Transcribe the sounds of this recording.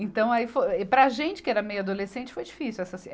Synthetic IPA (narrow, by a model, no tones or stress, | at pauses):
ẽnt̪ɐ̃w̃aifoɛpɾɐʒẽnt͡ʃɪ̥kɪɛɾɐmejʊad̪olesẽnt͡ʃɪ̥fojd͡ʒifisiuwɛsɐsi